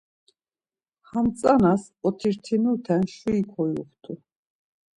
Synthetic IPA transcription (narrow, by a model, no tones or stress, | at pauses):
hamt͡sʼanas | ɔt̪ʰiɾt̪ʰinut̪ʰɛnʃuikʰɔjṵχt̪ʰu